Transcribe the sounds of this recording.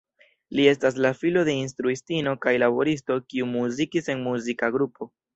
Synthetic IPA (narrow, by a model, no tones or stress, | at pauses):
lie̞s̬tas̬lafilo̞de̞ins̬tɾuistino̞kajlabo̞ɾisto̞kiumuzikise̞nmuzikaɡɾupʰo̞